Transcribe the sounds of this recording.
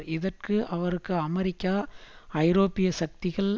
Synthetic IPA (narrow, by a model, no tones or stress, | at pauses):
ɪðɐrkɯʔɐʋɐɾɯkːɯɐmɐɾɪkːaːɐɪɾoːpɪjɐsɐk̚t̪ɪɣɐɭ